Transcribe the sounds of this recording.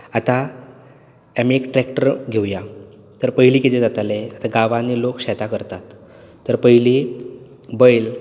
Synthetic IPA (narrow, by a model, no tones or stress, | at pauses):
at̪a | ɛmikʈɾɛkʈəɾɡʱewja | t̪əɾpəɦiliːkit̪ed͡zat̪aleat̪aɡaʋanilokɕɛt̪akəɾt̪at̪ː | əɾpəɦili | bəjl